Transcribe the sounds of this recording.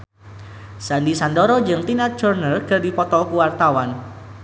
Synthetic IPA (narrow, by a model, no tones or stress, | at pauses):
sandisandɔɾɔd͡ʒɨŋt̪inat̪̚ʒ̥ɔrnəlɡərdipɔt̪ɔlkuwart̪awan